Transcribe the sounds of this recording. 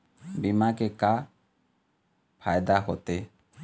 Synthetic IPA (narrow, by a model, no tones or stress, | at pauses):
bimakeka | pʰajd̪aɦot̪e